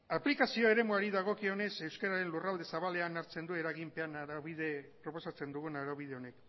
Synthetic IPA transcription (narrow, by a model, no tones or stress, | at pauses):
aplikasio̞e̞ɾe̞muaɾiðaɣ̞o̞kio̞ne̞se̞wskeɾaɾe̞nlurald̪e̞saβale̞anaɾt͡se̞nd̪ue̞ɾaɣimpe̞anaiðepɾo̞po̞sat͡se̞nd̪uɣunaɾoβið̞e̞o̞ne̞k